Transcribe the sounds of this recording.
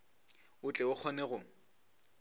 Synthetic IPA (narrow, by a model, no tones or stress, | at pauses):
ʊt͡ɬʼɛʊk͡xʰɔnɛɣʊ